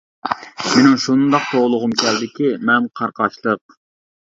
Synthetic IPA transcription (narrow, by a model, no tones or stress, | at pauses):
menɪŋʃund̪ɑq̚t̪ʰoʁlˠʊʁʊmkʲæld̪ɪkʲimɛnqʰɑɾqʰɑʃlˠəq̚